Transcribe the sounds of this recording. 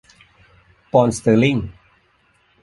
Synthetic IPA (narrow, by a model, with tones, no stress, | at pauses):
pɔ˧nst̪əː˧˩li˥˩ŋ